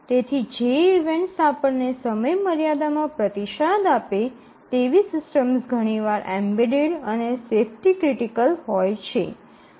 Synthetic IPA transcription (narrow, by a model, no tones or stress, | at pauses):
t̪et̪ʰid͡ʒeiʋeɳʈsapəɾnesəməjməɾjad̪amãpɾət̪iʃad̪ape | t̪eʋisɪsʈəmsɡʱəɽ̃iʋaɾʔɛmbiɖeɖənesefʰʈikɾiʈikəlɦɔjt͡ʃʰḛ